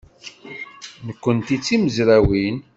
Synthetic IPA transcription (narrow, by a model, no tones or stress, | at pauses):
nəkʷːənt̪it͡sːiməzɾæwin